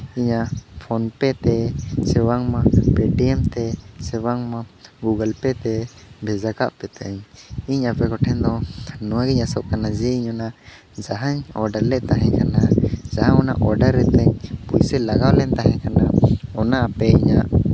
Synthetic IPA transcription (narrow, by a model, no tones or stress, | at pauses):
iɲapʰɔnpɛt̪ɛsɛwaŋmapɛɖiɛmt̪ɛsɛwaŋmaɡuɡalpɛt̪ɛbʱɛd͡ʒakaʔpɛt̪ɛɲiɲapɛkɔʈʰɛnd̪ɔ̃nɔwaɡɛɲasɔʔkanad͡ʒɛiɲɔna | d͡ʒaɦaɲɔɾɖaɾlːɛʔt̪aɦɛ̃ɲkanad͡ʒaɦaŋɔna̰ʔɔɾɖaɾːɛt̪ɛɲpujsɛlaɡawlɛnt̪aɦɛ̃kanaɔnaʔapɛiɲaʔ